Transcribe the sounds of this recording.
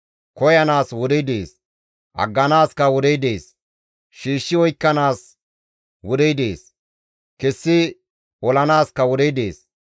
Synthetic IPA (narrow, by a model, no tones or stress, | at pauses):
kɔjɐnaːswɔd̪ɛjd̪eːs | ʔɐ̰ɡːɐnaːskɐwɔd̪ɛjd̪e̞ːs | ʃiːʃːɪwɔjkːɐnaːs | wɔd̪ɛjd̪eːs | kɛsːɪ | ɔlɐnaːskɐwɔd̪ɛjd̪e̞̰ːs